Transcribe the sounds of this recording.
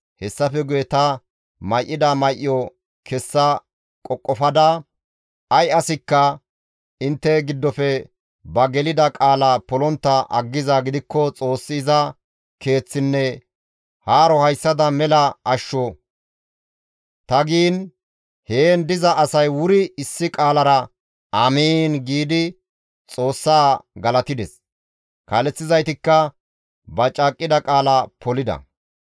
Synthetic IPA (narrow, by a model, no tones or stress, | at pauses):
hɛsːɐfɛɡʊjɛt̪ɐ | mɐjʔɪd̪ɐmɐjʔɪjɔ | kʰɛsːɐ | kʼɔkʼːɔfɐd̪ɐ | ɐjɐsɪkːɐ | ɪnt̪ːɛɡɪd̪ːɔfɛ | bɐɡɛlɪd̪ɐkʼaːlɐpɔlɔnt̪ːɐʔɐ̰ɡːɪzɐɡɪd̪ɪkːɔt͡sʼo̞ːsːɪːzɐ | ke̞ːt͡sːɪnːɛ | haːɾɔhɐjsːɐd̪ɐmɛlɐɐʃːɔ | t̪ɐɡiːn | heːnd̪ɪzɐʔːsɐjwʊɾɪɪsːɪkʼaːlɐɾɐ | amiːnɡiːd̪ɪ | t͡sʼo̞ːsːaːɡɐlɐt̪ɪd̪ɛs | kɐlɛt͡sːɪzɐjt̪ɪkːɐ | bɐt͡ʃʼːakʼːɪd̪ɐkʼaːlɐpɔlɪd̪ɐ̰